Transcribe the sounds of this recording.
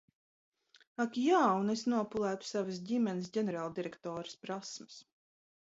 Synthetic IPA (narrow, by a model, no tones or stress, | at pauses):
akjaːunesnuɔpulˠæːt̪u̥savəs̬ɟimɛnɪs̬ɟʲɛneɾaːlˠd̪iɾekt̪ɔːɾɨ̥spɾasmɐ̥s